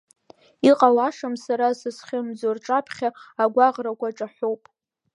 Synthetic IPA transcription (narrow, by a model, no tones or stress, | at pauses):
iqʼalaʂamsaɾasɨsχʲɪmd͡zorʈ͡ʂʼapʰχʲaːɡʷaʁrakʷaʈ͡ʂʼaħʷowpʼ